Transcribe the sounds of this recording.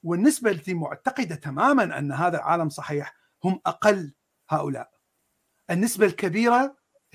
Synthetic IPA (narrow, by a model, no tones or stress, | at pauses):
wɪnːɪsbald̪imʊ̰ʕt̪aqɨd̪at̪amaːmanʔa̰nːaɦaːðalʕa̰ːlamsˤɑħiːħ | hʊmʔaqalː | haːʔʊla̰ːʔ | ʔɪnːɪsbalkabiːɾa